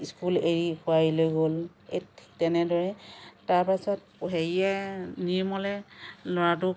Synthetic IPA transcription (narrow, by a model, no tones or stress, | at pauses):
iskuleɹikʰʊailojɡol | etʰi̥k̚tɛnɛdɔɹɛtaɹpasɔt̚ | ɦeɹianiɹmɔlɛlɔɹatʊ